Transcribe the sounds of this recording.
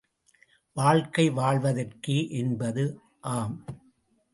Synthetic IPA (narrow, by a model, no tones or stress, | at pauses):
ʋaːɻkɐɪʋaːɭʋɐðɐrkɯʔɛnbɐðɯ | ʔaːm